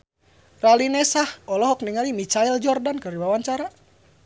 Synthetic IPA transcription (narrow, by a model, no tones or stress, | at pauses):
ralinɛsahɔlɔɦɔk̚niŋalimit͡ʃaild͡ʒɔrdankəriwawaɲt͡ʃaɾa